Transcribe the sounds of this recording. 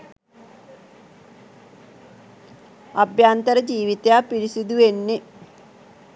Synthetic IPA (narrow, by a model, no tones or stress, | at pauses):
ɐbʱjaːnt̪ɐɾɐd͡ʑiːʋit̪jaːpiɾisid̪uʋenːi